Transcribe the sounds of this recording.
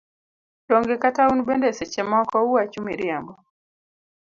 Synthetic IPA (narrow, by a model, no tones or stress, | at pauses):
dɔŋɡɛkataunbɛndɛsɛt͡ʃɛmɔkɔuwat͡ʃumḭɾiambɔ